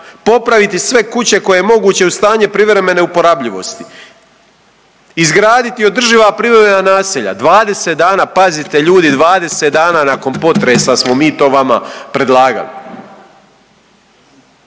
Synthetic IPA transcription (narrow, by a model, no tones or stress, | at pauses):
po̞pɾaʋit̪isʋe̞kut͡ɕe̞ko̞jejemo̞ɡuːt͡ɕe̞ust̪aːɲe̞pɾiʋɾe̞me̞ne̞upo̞ɾaːbʎiʋo̞̰st̪i̥ | izɡɾaːd̪it̪io̞d̪r̩ʒiʋapɾivɾeme̞nanaːsiʎa̰d̪ʋaːd̪e̞set̪̚d̪aːnaːpazit̪e̞ʎuːd̪id̪ʋaːd̪e̞set̪d̪aːnaːnako̞npo̞t̪ɾesasmo̞miːt̪o̞ːʋamapɾe̞d̪lˠaːɡa̰lḭ